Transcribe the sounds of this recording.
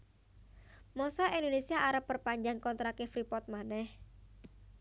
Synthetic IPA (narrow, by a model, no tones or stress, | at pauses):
mɔsɔind̪onesiaʔaɾəpːərpaɲd͡ʒaŋkɔnt̪ɾakefɾipɔt̪̚manɛh